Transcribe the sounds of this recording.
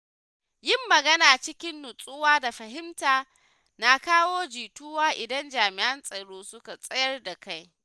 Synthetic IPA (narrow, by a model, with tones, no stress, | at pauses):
jɪ˦mːɐ˨ɡɐ˦naː˨t͡ʃɪ˦kʲɪ˦nːʊ˨sʼʊ˦waː˦da˨ɸɐ˨ɦɪ˦mtaː˨ | na˨kaː˦woː˦d͡ʒiː˨tʊ˦waː˦ʔɪ˨dɐ˦nd͡ʒaː˨mɪ˨ʔɐ˦nsʼɐ˨ɽoː˦sʊ˦ka˨sʼɐ˦jɐ˦rda˨ka˦j